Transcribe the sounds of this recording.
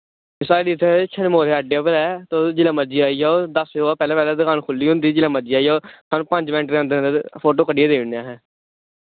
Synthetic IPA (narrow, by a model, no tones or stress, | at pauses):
ɪsaːɖit̪ʰẽt͡ʃʰənmoːɾeːəɖeapəɾɛːt̪oːd͡ʒɪlə̃məd͡ʒiːaːiɦaːod̪əseoaːpɛːlɛːpɛːlɛːd̪əkʰaːnkʰʊlːiːɦʊ̃nd̪iːd͡ʒɪlãməd͡ʒiːaːiːaːsʰaːnũːpəɲd͡ʒbɛ̃ːɳʈɾɛ̃ːnd̪ẽːnd̪epʰoːʈoːkəɖɪjaːd̪eːɪnejaːɦɛː